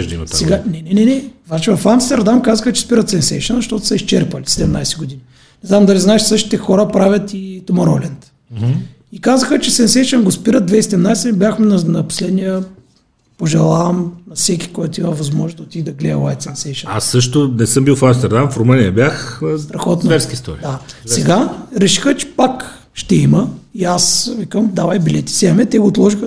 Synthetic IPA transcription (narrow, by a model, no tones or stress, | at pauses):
ʒd̪inɐt̪asɛɡanɛnɛnɛnɛvnat͡ʃɛvɐfamst̪ɛɾd̪amkazəxət͡ʃɛ̥spiɾət̪sɛnsɛ̰jʃənzɐʃt̪ɔt̪ʊ̥səiʃt͡ʃɛɾpəlisɛd̪ɛmna̰jsɛ̥ɡod̪ini | nɛznamd̪ɐliznaɛʃsɤʃt̪i̥t̪ɛxɔɾəpɾavʲət̪it̪omɐɾɔlɛnt̪̩ | ikazəxət͡ʃɛsɛnsɛjʃənɡospiɾət̪̚d̪vɛisɛd̪ɛmnajsɛnibʲjaxmɛnɐnɐpo̥slɛd̪nijə | poʒɛlˠavɐmnɐfsɛkʲi̥kɔjt̪ʊimɐvɐzmɔʒnzd̪ɐot̪id̪ɐɡlɛə̰lˠajt̪sɛnsɛjʃənasːɤʃt̪ʊnɛsəmbilˠfamst̪ɛɾd̪amfɾomənijɐbʲjaxst̪ɾɐxɔt̪nvɛɾskist̪ɔɾid̪asɛɡaɾɛʃi̥xət͡ʃɛ̥pak | ʃt̪ɛiməiasvikəmd̪avɐjbilɛt̪i̥sʲɛmɛt̪ɛɡoːt̪lˠɔʒixə